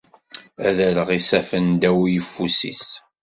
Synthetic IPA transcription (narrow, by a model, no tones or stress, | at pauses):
æðæləʁisæfənd̪æwijəfːusḭs